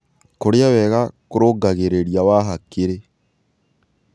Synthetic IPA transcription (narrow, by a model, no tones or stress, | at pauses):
koɾjawɛɣakoɾoɡaɣeɾeɾjawaɦakːeɾe